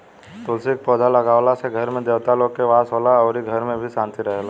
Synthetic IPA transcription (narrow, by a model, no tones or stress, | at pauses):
t̪ʊlsɪk̚pɔːd͡ʒalɐɡaːʋlaseɡʱəɾmẽd̪eːʋt̪alõkeʋaːsɦoːlaɔːɾiɡʱɐɾmẽbʱisãːnt̪iɾəɦela